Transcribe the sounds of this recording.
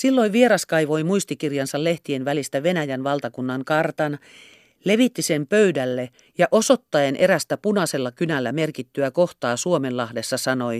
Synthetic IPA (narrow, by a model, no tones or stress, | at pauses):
silːo̞iʋʋieɾɑskɑiʋo̞jmuist̪ikirjɑnsɑlle̞ht̪ienʋælist̪æʋenæjænʋɑlt̪ɑkunːɑŋkɑrt̪ɑn | le̞ʋit̪ːisempøydælːe | jɑʔosot̪ːɑenʔe̞ɾæst̪æpunɑse̞lːɑkynælːæmerkit̪ːyækoht̪ɑːsuomellɑhdesːɑsɑno̞j